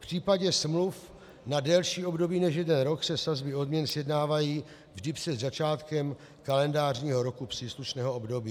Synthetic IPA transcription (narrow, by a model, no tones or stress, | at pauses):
pr̝̥iːpaɟɛsmluf | nadɛlʃiːo̞bdo̞biːnɛʃjɛdɛnɾo̞ksɛsazbɪo̞dmɲɛnsjɛdnaːvajiː | vʒdɪprɛd̪zat͡ʃaːt̪kɛm | kalɛndaːrɲiːɦo̞ɾo̞kupr̥iːsluʃnɛːɦoobdo̞biː